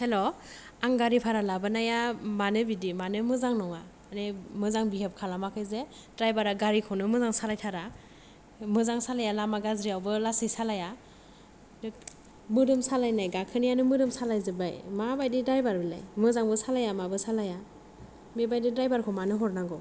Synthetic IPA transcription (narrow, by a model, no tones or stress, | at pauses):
helo | aŋɡaɾipʰaɾalabɯnajamanɯbidimanɯmɯzaŋnɔŋa | nemɯzaŋbiɦep̚kʰalamakʰɯjze | dɾajbaɾaɡaɾikʰɔnɯmɯzaŋsalajtʰaɾa | mɯzaŋsalajalamaɡazɾiawbɯlasɯjsalaja | dɯ | mɯdɯmsalajnajɡakʰɯnijanɯmɯdɯmsalajzebajmabajdidɾajbaɾbila̰jmɯzaŋbɯsalajamabɯsalaja | mebajdidɾajbaɾkʰɔmanɯɦɔɾnaɡɔ